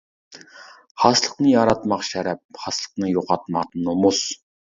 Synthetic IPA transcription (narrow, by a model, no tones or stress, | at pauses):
χasɮə̥̆qniːaɾaːt̪maqʃæɾæːp̚χasɮə̥̆qniːjʊʁaːt̪maqnʊmʊːs